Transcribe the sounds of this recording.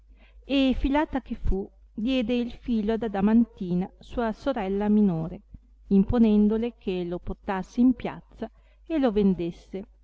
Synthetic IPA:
efilaːt̪akefu | d̪jɛːd̪eilfiːload̪ad̪amant̪iːnasuːasoɾɛlːaminoːɾe | imponɛnd̪olekʰeloport̪asːeimpja̰t̪sːa | elovend̪esːe

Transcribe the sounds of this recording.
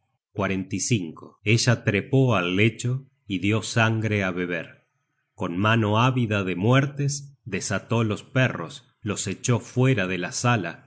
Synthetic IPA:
kwaɾent̪isiŋkoeʒat̪ɾepoalːet͡ʃo | iðjo̞saŋɡɾeaβeβ̞eɾ | ko̞nmano̞aβiðaðemwɛɾt̪esd̪esat̪o̞lo̞speros | lo̞set͡ʃo̞fweɾaðelasala̰

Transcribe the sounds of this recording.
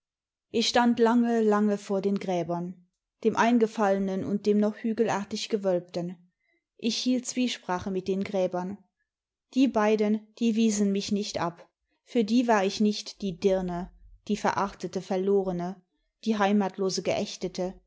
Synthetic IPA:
ʔɪçʃtantlaŋəlaŋəfoːɐdeːnɡʁɛːbɐn | d̥eːmʔaɪnɡəfalənənʊ̰nt̚d̥eːmnɔχhyːɡəl̩aːɐtɪçɡ̥əvœlp̚tən | ʔɪçhiːlt̚t͡sv̥iːʃpʁ̥aːχəmɪt̚d̥eːnɡʁɛːbɐn | d̥iːbaɪdənd̥iːviːzənmɪçnɪçtʔa̰p | fyːɐdiːvaːɐɪçnɪçtd̥iːdɪɐnəd̥iːfɛɐʔaχtətəfɛɐloːʁənə | d̥iːɦaɪmaːtʰloːzəɡəʔɛçtətə

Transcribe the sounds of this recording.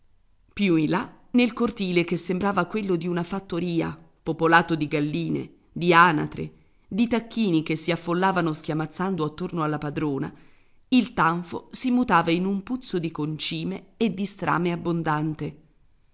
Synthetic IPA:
pjuila | nelkort̪iːlekesːembɾaːvakwelːod̪iunafat̪ːoɾiːa̰ | popolaːt̪od̪iɡalːiːnḛ | d̪iaːna̰t̪ɾḛ | d̪it̪akːiːnik̟esːiafːolːaːvanosk̟ʲjamat̪sːand̪oat̪ːornoalːapad̪ɾoːna̰ | ilt̪aɱfo̰simut̪aːvainumput̪sːod̪ikont͡ʃiːmeːd̪ːist̪ɾa̰ːmeabːond̪ant̪e

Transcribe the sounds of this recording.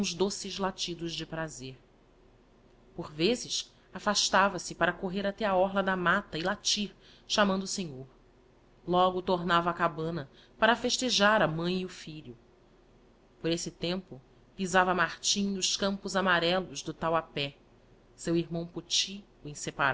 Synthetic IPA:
zd̪osɪzlat͡ʃid̪ʊʒd͡ʒɪpɾazeɾ | poɾvezɪʃ | afaʃt̪avɐsɪpaɾɐkoɦeɾat̪ɛaɔɦlɐd̪ɐmat̪ɐɪlat͡ʃiɾ | ʃamɐ̃nd̪ʊːseɲoɾ | lɔɡʊt̪oɾnavɐaːkabɐ̃nɐ | paɾɐfeʃt̪eʒaɾɐmɐ̃j̃iʊfiʎʊ | poɾesɪt̪ẽmpʊ | pizavɐmaɾt͡ʃĩʊʃkɐ̃mpʊzamaɾɛlʊzd̪ʊt̪awapɛ | sewiɾmɐ̃w̃put͡ʃi | ʊẽsepaɾ

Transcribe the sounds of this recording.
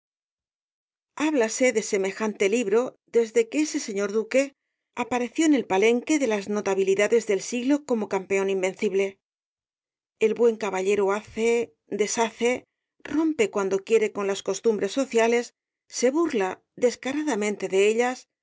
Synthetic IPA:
aβlase̞ðe̞se̞me̞xant̪e̞liβɾo̞ | ðe̞zðe̞keese̞se̞ɲo̞ɾðuke̞ | apaɾe̞θjo̞ene̞lpale̞ŋke̞ðe̞lazno̞t̪aβiliðaðe̞zðe̞lsiɣlo̞ko̞mo̞kampe̞o̞nimbe̞nθiβle̞ | elβwe̞ŋkaβaʎe̞ɾoaθe | d̪e̞saθe̞ | ro̞mpe̞kwand̪o̞kje̞ɾe̞ko̞nlasko̞st̪umbɾe̞sːo̞θjale̞sː | e̞βuɾla | ðe̞skaɾaðamẽ̞nt̪e̞ðe̞eʎas

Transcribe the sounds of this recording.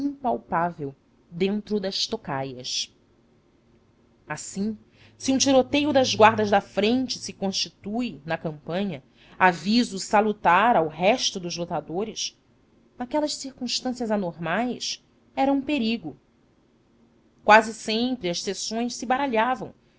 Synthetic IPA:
ĩŋpawpavew | d̪ẽnt̪ɾʊd̪ɐʃt̪okajɐs | asĩ | siũt͡ʃiɾot̪ejʊd̪ɐzɡwaɾd̪ɐzd̪ɐfɾẽnt͡ʃɪsɪkõʃt͡ʃit̪ujnɐkɐ̃mpɐ̃ɲɐ | avizʊsalut̪aɾawɦɛʃt̪ʊd̪ʊzlot̪ad̪oɾɪs | nakɛlɐʃsiɾkũʃt̪ɐ̃sjɐzanoɾmajs | ɛɾɐũpeɾiɡʊ | kwazɪsẽmpɾɪɐʃsesõj̃ʃsɪbaɾaʎavɐ̃w̃

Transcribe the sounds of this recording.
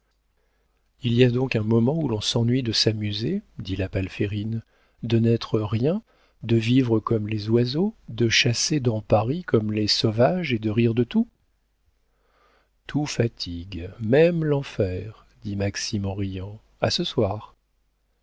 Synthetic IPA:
ilijad̪ɔ̃kɛ̃mɔmɑ̃ulɔ̃sɑ̃nɥid̪əsamyzed̪ilapalfeʁin | d̪ənɛt̪χəʁjɛ̃ | d̪əvivʁəkɔmlezwazod̪əʃased̪ɑ̃paʁikɔmlesɔvaʒed̪əʁiʁd̪ət̪u | t̪ʰufat̪ʰiɡmɛmlɑ̃fɛʁ | d̪imaksimɑ̃ʁijɑ̃ | a̰səswaːʁ

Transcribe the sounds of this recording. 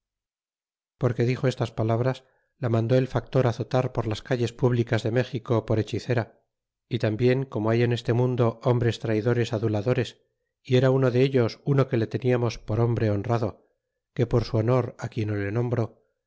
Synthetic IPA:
po̞ɾke̞ðixo̞e̞st̪aspalaβ̞ɾas | lamãnd̪o̞elfak̚t̪o̞ɾaθo̞t̪aɾpo̞ɾlaskaʎe̞spuβlikazðe̞me̞xiko̞po̞ɾe̞t͡ʃiθe̞ɾa | it̪ambje̞ŋko̞mo̞aje̞ne̞st̪e̞mũnd̪o̞ombɾe̞st̪ɾajðo̞ɾe̞saðulaðo̞ɾe̞s | ie̞ɾauno̞ðe̞eʎo̞suno̞ke̞le̞t̪e̞niamo̞spo̞ɾo̞mbɾe̞o̞nraðo̞ | ke̞po̞ɾsuono̞ɾakje̞nolenõ̞mbɾo̞

